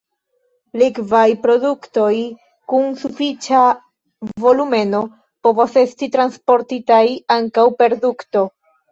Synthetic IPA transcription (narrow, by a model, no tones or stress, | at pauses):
likvajpɾo̞dukto̞j | kunsufit͡ʃa | vo̞lume̞no̞ | po̞vose̞stitɾanspo̞ɾtitajaŋkawpe̞ɾdukto̞